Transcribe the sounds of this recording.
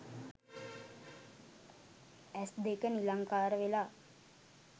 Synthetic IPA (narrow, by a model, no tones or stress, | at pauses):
ɛsd̪ekənilaŋkaːɾəʋelaː